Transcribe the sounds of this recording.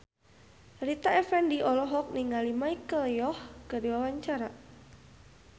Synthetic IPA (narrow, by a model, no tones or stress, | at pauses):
rit̪aɛfɛndiʔɔlɔɦɔk̚niŋalimaikəljɔhkədiwawaɲt͡ʃaɾa